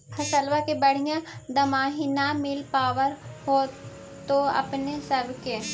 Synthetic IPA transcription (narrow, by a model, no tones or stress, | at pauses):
hɐsəlʋakebɐɽ̤ijãd̪ɐmaːɦinamɪlpaːwəɾho | t̪oɐ̰pnesəbʱke